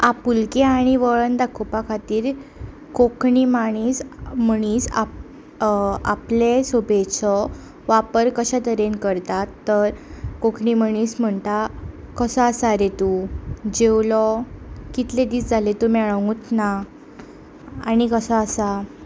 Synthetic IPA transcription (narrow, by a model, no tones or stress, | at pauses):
apulkeaɽ̃iʋəɭənd̪akʰopakʰat̪iːɾ | kokɳimaɽ̃iːsm̤əɽ̃iːsa | a̰plesobet͡sɔ | ʋapəɾkəɕat̪əɾenkəɾt̪at̪ːəɾkokʰɳiməɳ̃iːsm̤əɳt̪a | kəsəəsaɾet̪ud͡ʑewlɔkit̪led̪iːt͡sd͡zʱalet̪umɛɭəŋɡut̪na | añikəsəasa